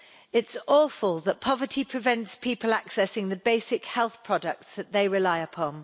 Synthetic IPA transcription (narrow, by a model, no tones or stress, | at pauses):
ɪtsɔːˑfəlˠðəʔpʰɒvətʰipʰɹ̥ɪvɛ̃ntspʰiˑpəlaksɛsɪ̃ŋðəbeɪsɪkhɛlˠθpʰɹ̥ɒdək̚tsðəʔðeɪɹɪlaɪəpʰɒ̃n